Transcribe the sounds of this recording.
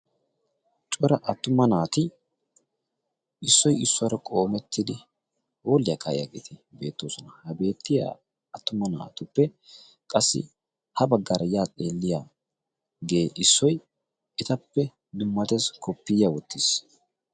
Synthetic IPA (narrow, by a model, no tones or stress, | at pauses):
t͡ʃʼɔɾɐʔɐt̪ːʊmːɐnaːt̪ɪ | ʔɪsːɔjɪsːʊɐɾɐkʼo̞ːmɛt̪ʰːɪd̪ɪ | ho̞ːlːɪjɐkʰɐʔjaɡḛːt̪ɪbe̞̰ːt̪ːoːsɔnɐhɐbe̞ːt̪ːɪja̰ | ɐt̪ːʊmːɐna̰ːt̪ʊpːɛ | kʼɐsːɪ̰ | hɐbɐɡːɐɾɐjaːt̪ʼe̞ːlːɪjaː | ɡe̞ːʔɪsːɔj | ɛt̪ɐpːɛ | d̪ʊmːɐt̪eskʰɔpːɪjawɔt̪ːis